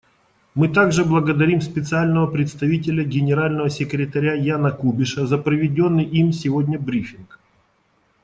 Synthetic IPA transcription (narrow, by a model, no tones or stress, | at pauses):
mɨt̪aɡʐɨblˠəɡəd̪ɐɾʲimspʲɪt̪sɨalʲnəvəpɾʲɪt̪st̪ɐvʲit̬ʲɪlʲəɡʲɪnʲɪɾalʲnəvəsʲɪkɾʲɪt̪ɐɾʲajanəkubʲɪʂəzɐpɾəvʲɪdʲonːɨjʔimsʲɪvodʲnʲəbɾʲifʲɪnk